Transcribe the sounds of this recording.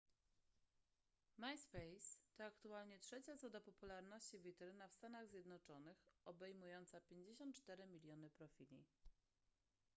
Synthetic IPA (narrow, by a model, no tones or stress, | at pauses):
majspɛjst̪ɔakt̪ualɲɛtʂɛt͡ɕat̪zɔd̪apɔpulaɾnɔɕt͡ɕivʲit̪ɛɾɘnafst̪anaɣzʲjɛd̪nɔt͡ʂɔnɘxɔbɛjmujɔnt̪sapʲjeɲd͡ʑeɕɔ̃nt̪̚t͡ʂt̪ɛɾɘmʲilʲjɔnɘpɾɔfʲilʲḭ